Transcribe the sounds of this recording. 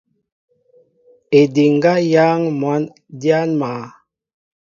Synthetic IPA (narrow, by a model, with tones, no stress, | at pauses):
e˨di˨ŋ˦ɡa˦ja˦ŋmwa˨˦n | dja˦nmaː˨˦